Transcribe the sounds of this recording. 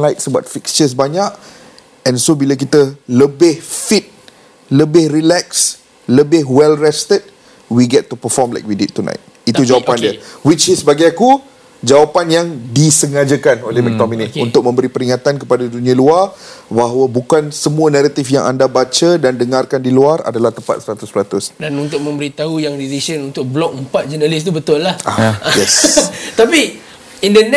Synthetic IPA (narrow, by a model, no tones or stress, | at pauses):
lajt̪̚səbwa̰t̪̚fikst͡ʃəs̬baɲaʔ | ɛ̃nsobilak̬it̪ələbɪhfit̪̚ | ləbɪhrilɛks | ləbɪɦwɛlrɛst̪əd̚ | wiɡɛtːupəfɔmla̰jk̚widit̪ːunʔã̰jt̪̚it̪ud͡ʒawapandiəwit͡ʃɪsbaɡajaku | d͡ʒawapanjaŋdisəŋad͡ʒəkanolehmɛk̚dɔminitunt̪ʊk̚mə̃mbəɾipəɾiŋat̪ankəpadadunĩaluarbaɦwəbukansəmũənaɾat̪ifjaŋʔa̰ndabat͡ʃədandəŋarkandiluara̰dalaht̪əmpat̪̚səɾat̪ʊsɾat̪ʊsdanunt̪ʊk̚mə̃mbəɾit̪aujaŋdiɾisənunt̪ʊk̚blɔk̚əmpat̪̚d͡ʒənalis̬t̪ubət̪ʊlːahajɛst̪api | indən